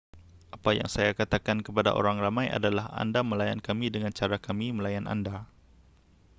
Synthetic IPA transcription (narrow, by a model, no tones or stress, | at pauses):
ʔapaja̰ŋsajakat̪akankəpada̰ʔo̰ɾaŋramãja̰dalaha̰ndaməlajankamidəŋant͡ʃaɾakamiməlajana̰nda